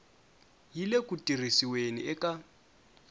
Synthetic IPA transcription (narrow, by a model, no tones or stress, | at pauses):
jilekʼutʼirisiwenḭɛkʼa